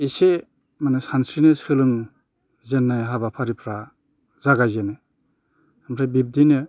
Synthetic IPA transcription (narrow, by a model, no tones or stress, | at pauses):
ise | manɯsansɾinɯsɯlɯŋ | zenːajɦabapʰaɾipʰɾa | zaɡajzenɯ | ampʰɾajbib̚dinɯ